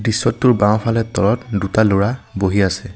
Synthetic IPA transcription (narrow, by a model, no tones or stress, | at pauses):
disːɔtːʊɹbãw̃pʰalɛtɔɹɔtdutaloɹaboɦiasɛ